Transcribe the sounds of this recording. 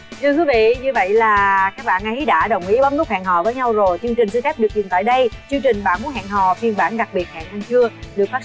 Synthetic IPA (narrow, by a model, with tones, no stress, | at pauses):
tʰɨ˧əkwi˨˦vḭ˧˨ɲɨ˧və̰˧˨jlaː˨˩kaː˦˥k̚ɓa̰ː˧˨nʔə˨˦ɗa̰ː˧˥ɗə˨˩wŋ͡mʔi˨˦əɓa˨˦n̚nu˦˥k͡p̚ha̰ː˧˨ŋɦɔ̰˧˨vəː˨˦jɲa˧wzo˨˩jt͡ɕɨ˧ŋt͡ɕï˨˩ŋ̟sɨ˧xɛ˦˥p̚ɗɨ˨˩k̚t͡ɕi˨˩nt̪a̰ː˧˨jɗə˧jt͡ɕɨ˧əŋt͡ɕï˨˩ŋ̟ɓaː˧˩nmu˨˦˥t̚ha̰ː˧˨nɦɔ̰˧˨vi˧˩ənɓaː˧˩nɗa˨˩k̚ɓi˨˩ət̚ha̰˧˨nʔa˧nt͡ɕɨ˧əɗɨ˨˩ək̚faː˦˥